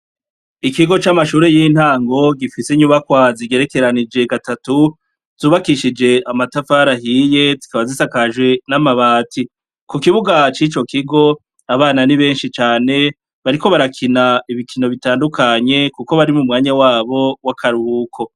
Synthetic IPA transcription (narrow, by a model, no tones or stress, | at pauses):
ikiɡo̞t͡ʃamaʃuːɾe̞jiːn̥haːŋɡo̞ɡifise̞ɲuβakwaziɡe̞ɾe̞ke̞ɾanid͡ʒe̞ɡatatu | z̥uːβakiʃid͡ʒe̞ʔamatafaːɾaɦiːje̞zikaβazisakaʒɡwe̞namaβaːtʰi | kukiβuɡat͡ʃiːt͡ʃo̞kiɡo̞ | aβaːnaniβe̞ːnʃit͡ʃaːne̞ | βaɾiko̞βaɾakʰinaiβikʰino̞βitaːndukʰaɲe̞kuko̞βaɾimumŋaːɲawaːβo̞wakʰaɾuːkʰo̞